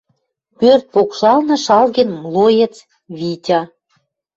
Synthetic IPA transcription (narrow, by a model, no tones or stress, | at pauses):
pørt̪̚pokʃɑlnɤ̆ʃɑlɣə̆nmlˠojĕt͡s | βitʲɑ